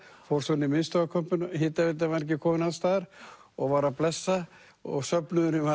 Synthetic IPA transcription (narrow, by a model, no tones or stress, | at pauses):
fɔwɾsɔnɪmɪnst̪ɔɣakʰœmpʏnɦɪːt̪avɪt̪̬amɛɾcɪkʰɔːmʏnast̪aːɾ | ɔɣvaɾaplɛsːa | ɔ̰ɣsœpnʏðʏɾnʏma